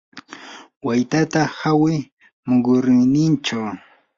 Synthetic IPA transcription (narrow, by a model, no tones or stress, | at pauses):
wajt̪at̪ahawɪ | mʊɡʊɾɪjnɪnt͡ʃaw